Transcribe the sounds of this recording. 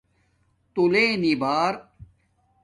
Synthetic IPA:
t̪ulẽːnibaːɾ

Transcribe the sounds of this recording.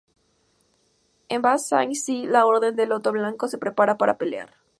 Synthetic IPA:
embasa̰ŋsilao̞ɾðe̞nd̪e̞lo̞t̪o̞βlaŋko̞se̞pɾe̞paɾapaɾa̰pe̞lea̰ɾ

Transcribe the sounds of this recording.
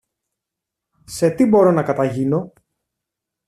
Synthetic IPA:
se̞t̪ibo̞ɾo̞nɐkɐt̪ɐʝino̞

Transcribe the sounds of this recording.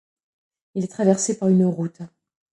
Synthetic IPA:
ilɛt̪χavɛʁsepaʁynəʁut̪

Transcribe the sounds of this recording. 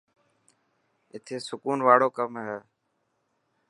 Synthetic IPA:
ɪt̪ʰeːsʊkuːnʋaːɽoːkəmɦeː

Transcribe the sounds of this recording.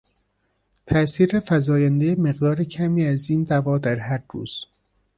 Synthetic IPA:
t̪ʰæsiːɾefæzɒːjænd̪ejemeɣd̪ɒːɾecʰæmiːæziːnd̪ævɒːd̪æɾɦæɾdṵːz̥

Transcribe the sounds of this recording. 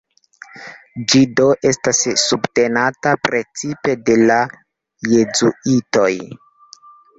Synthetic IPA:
d͡ʒido̞ʔe̞stasːubte̞natapɾe̞t͡sipe̞de̞la | je̞zuito̞j

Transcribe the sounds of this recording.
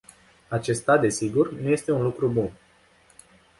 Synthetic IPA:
at͡ʃe̞st̪ad̪e̞siɡurnuje̞st̪e̞unlukɾubun

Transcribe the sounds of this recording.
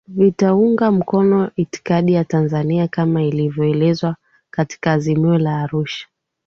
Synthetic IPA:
vitauŋɡam̩kɔnɔiti̥kaɗijatanzaniakamailivjɔɛlɛzwa | kati̥kaːzimiɔlaːɾuʃḁ

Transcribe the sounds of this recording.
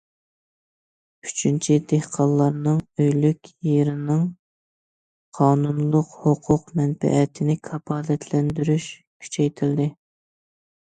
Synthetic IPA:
yt͡ʃʰynt͡ʃʰid̪ehqʰɑnlˠɑɾnɨŋøjlykʲjeɾɪnɨŋ | qʰɑːnunlˠʊqhoqʰʊqmɛnbɛ̰ʔɛt̪ʰɪnɪkʰɑpɑːlɛt̪ʰlɛnd̪yɾyʃ | kʲʰy̥t͡ʃʰɛjt̪ʰɪld̪ɪ

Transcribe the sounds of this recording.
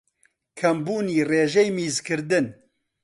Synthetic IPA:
kʰɐmbuːniːreːʒɛjmiːzkɨɾd̪ɨn

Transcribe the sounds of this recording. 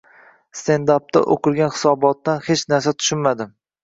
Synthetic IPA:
st̪e̞nd̪ap̚t̪ʰa̰ʔoqɨlˠɡʲanhɪ̥sɒbɒt̪ːanhet͡ʃnaɾsat̪ʰʊ̥ʃɪnmad̪ɪ

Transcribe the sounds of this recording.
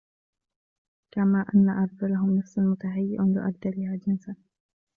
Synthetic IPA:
kamaːʔanːaʔɑɾˤd͡ʒalaɦʊmnafsanmʊt̪aɦajːɪʔabɪ̰ʔaɡ̚d̪alɪhaːd͡ʒɪnsan

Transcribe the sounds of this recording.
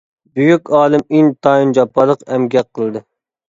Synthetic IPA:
byjykʲɑːlˠɨmiŋt̪ʰɑind͡ʒɑpːɑlˠəqɛmɡʲɛqʰːəlˠɨd̪ɨ

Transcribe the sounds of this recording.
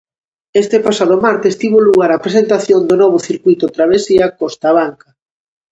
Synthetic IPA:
est̪epasaðʊmaɾt̪ɪst̪iβoluɣaɾapɾesent̪aθjond̪ʊnɔβ̞ʊθiɾkuijt̪ʊt̪ɾaβ̞esiakost̪aβaŋka

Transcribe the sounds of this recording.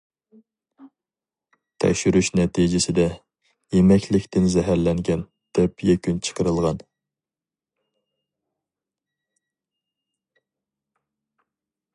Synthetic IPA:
t̪ʰɛ̰kʲʃyɾyʃnɛt̪ʰid͡ʒɪsɪd̪ɛ | jemɛkʲʰlɪkʲt̪ʰɪnzɛɦæɾlɛŋɡʲɛn | d̪̥ɛpjɛkʲynt͡ʃʰə̥qʰəɾɨlˠʁɑn

